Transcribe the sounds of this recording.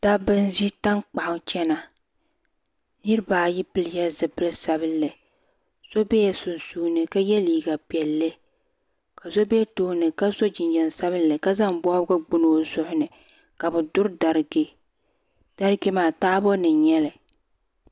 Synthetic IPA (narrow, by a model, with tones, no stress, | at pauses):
ta˦bɨ˦n˦zi˦ta˦ŋk͡pa˨ʔʊ˨ŋt͡ʃɛ˦na˨ | nɨ˦ɾɨ˦baː˨ji˦pɨ˦lɪ˦ja˦zɨ˨bɨ˦lɨ˦sa˨bɨ˦lːɨ˨ | z̥o˦bɛ˦jɛ˦sʊ˨nsuː˦nɨ˨ka˦jɛ˦liː˨ɡa˨pɛ˨lːɨ˦ | ka˨zo˦bɛ˦toː˦nɨ˨ka˦zo˦d͡ʒɪ˨nd͡ʒɛ˨nsa˦βɨ˦lːɨ˨ka˦za˦ŋbɔ˦bɨ˦ɡ͡bʊ˦n˨o˨zʊ˦ʔʊ˦nɨ˨ | ka˨bɨ˨dʊ˦ɾda˨ɾɡɪ˦ | d̥a˦ɾɡi˦maː˨taː˦bɔ˦nɨ˨nɲɛ˦lɨ˨